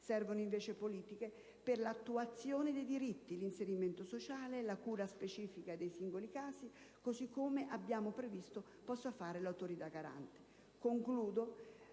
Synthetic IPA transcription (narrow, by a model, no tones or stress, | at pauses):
sɛrvonoiɱveːt͡ʃepoliːt̪ike | perlat̪ːuat̪sːjoːnɪd̪ejd̪iɾit̪ːilinseɾiment̪osot͡ʃaːlelakuːɾaspet͡ʃiːfikad̪ejsiŋɡolikaːsi | kosikːomeʔabːjaːmʊpɾevist̪o | pɔsːafaːɾelawt̪oɾit̪aɡaɾa̰nt̪e̥ | koŋkluːd̪o